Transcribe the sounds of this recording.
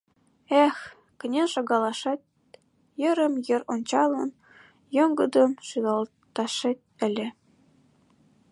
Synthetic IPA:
ex | kə̆nʲenʃɑɣɑlɑʃɑt̪̚ | jə̆ɾə̆mjə̆ɾonʲt͡ɕɑlə̆n | joŋɡəd̪əmʃylɑl | t̪ɑʃet̪̚ʲə̆lʲĕ

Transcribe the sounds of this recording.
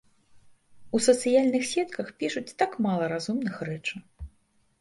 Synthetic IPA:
usɐt̪sɨjalʲnɨxsʲɛt̪kɐxpʲiʂut͡sʲt̪akmalˠɐɾazumnɨxrɛt͡ʂɨ

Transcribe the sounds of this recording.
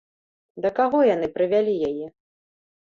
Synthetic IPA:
d̪ɐkaɣɔjan̪ɨpɾɨvʲalʲijajɛ

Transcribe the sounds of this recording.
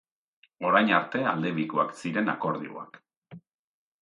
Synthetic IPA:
o̞ɾajɲaɾt̪e̞a̰ld̪e̞βikoaksiɾe̞na̰ko̞ɾðḭo̰a̰k

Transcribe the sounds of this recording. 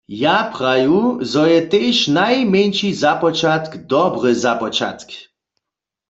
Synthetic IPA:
japʁajuzɔjɛt̪eʃnajmɛnt͡ʃizapɔt͡ʃat̪kd̪ɔbʁɨzapɔt͡ʃa̰t̪k

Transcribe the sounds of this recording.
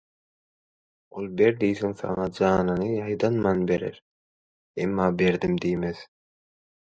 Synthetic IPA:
olˠbeɾd̪ijθiŋθɑ̰ŋɑd͡ʒɑːnɯnɯjɑjd̪ɑnmɑnbe̞ɾḛɾ | ḛmːɑːbe̞ɾd̪imd̪ijmeð

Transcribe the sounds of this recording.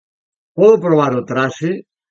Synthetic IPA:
poðopɾoβ̞aɾot̪ɾase

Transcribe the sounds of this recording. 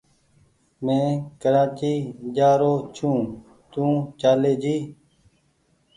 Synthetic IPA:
mẽːkəɾaːt͡ʃiːd͡ʒaːɾoːt͡ʃʰũː | t̪ũːt͡ʃaːleːd͡ʒiː

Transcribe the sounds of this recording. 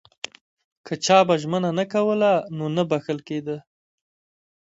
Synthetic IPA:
kʰət͡ʃɑbaʒmənanakawəlanonabaxəlked̪ə

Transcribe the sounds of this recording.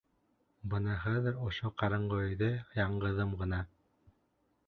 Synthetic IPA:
bɤ̆nɤχæðɘ̆ɾŏʃoqɑɾɤ̆ɴɢŏɵ̆jðɘjɑɴɢɤ̆ðɤmɢɤ̆nɑ

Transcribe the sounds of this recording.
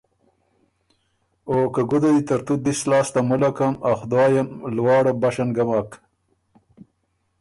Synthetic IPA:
oːkaɡʊd̪ad̪it̪ɐɾt̪ud̪islɑːst̪amulakamaxd̪ɑːjamlwɑːɽabɐʃanɡamaːk

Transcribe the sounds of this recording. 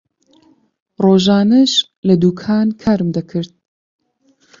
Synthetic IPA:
roːʒaːnɐʃ | lɐd̪uːkʰaːnkʰaːɾɨmd̪ɐkʰɨɾt̪̚

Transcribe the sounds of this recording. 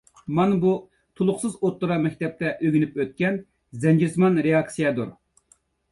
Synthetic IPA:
mɑnbu | t̪ʰulˠʊχsɨzot̪ːuɾɑmɛk̚ʲt̪ɛp̚t̪ɛʔøɡʲnypøt̪̚kʲɛn | zɛnd͡ʒiɾsmɑnɾeɑksijɛd̪uɾ

